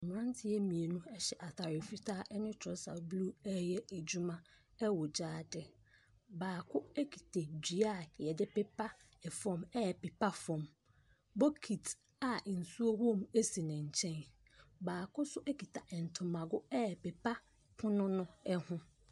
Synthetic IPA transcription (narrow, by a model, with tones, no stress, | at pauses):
ɲ˨ã˦ntʰɪ˦ɛ˦mĩ˨e˨nũ˦ɛ˦ɕɛ˨ʔa˨tʰa˨ɾɪ˨fi˦tʰaː˦ʔɛ˦nɪ̃˦tʰɔ˨˦sa̰˨blu˦ɛ˦jɛ˦e˨d͡ʑu˦mã˦ | ɛ˦wɔ˨d͡ʑaː˦dɪ˨ | baː˨kʰʊ˦e˦kʰi̥˨tʰe˨d͡ʑᶣi˨˦a˦˨jɛ˨dɪ˦pɪ˦pʰa˦ | ɛ˨fɔ̃˦˨mɛ˦˨pɪ˨pʰa˦fɔ̃˨m | bo˦kʰi˨t | a˨n̩˨su˦o˦hõ˦˨me˦si˨nɪ̃˨ɲ̩˨t͡ɕʰɛ̃˦n | baː˨kʰʊ˦sʊ˦ʔɛ˦kʰi˨tʰa˨ʔɛ̃˨n̩˨tʰʊ̃˨mã˨ɡʊ˦ɛ˦˨pɪ˨pʰa˦ | pʰʊ̃˦nʊ̃˦nʊ̃˦ɛ˦hʊ̃˦